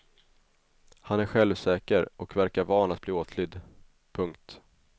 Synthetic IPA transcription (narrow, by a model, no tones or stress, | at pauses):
hanæɾɧɛlvsɛːkəɾɔkvæɾkaɾvɑːnat̪̚bliːoːt̪ʰlʏd̪ː | pʰɵŋkt̪